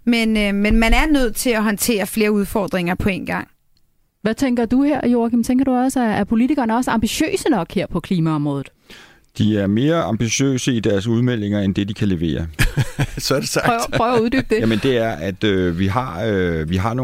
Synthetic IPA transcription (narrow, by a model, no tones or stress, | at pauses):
menmenmænæɐnøð̞̰ˠt͡sʰe̝læɦɒnt͡sʰe̝̰ːɐfle̝ːɐuð̞ˠfɒːd̥ʁeŋɐpʰɒ̽e̝̰nɡ̥ɑ̈ŋ̰ | ʋæt͡sʰeŋɡ̥ɐd̥uheɐ̰jo̝ɐ̰ɡ̥jemt͡sʰeŋɡ̥ɐɾ̥uɒ̽səæːɐpʰo̝lit͡sʰiɡ̥ɐːnəɒ̽səɑ̈mb̥iɕø̰ːsənɒ̽ɡ̥heɐ̰pʰɒ̽kʰliːmæɒ̽mʁɔ̽ːð̩ˠ | d̥iæɐme̝ːɐʔɑ̈mb̥iɕø̰ːsəid̥æɐsuðˠmel̰e̝ŋɐend̥e̝d̥ikʰæle̝ʋe̝̰ːɐ | sd̥espʰʁœuð̞ˠdyːb̥̚d̥emənd̥e̝æɐʔæd̥øʋiɦɑ̈ʋiɦɑ̈no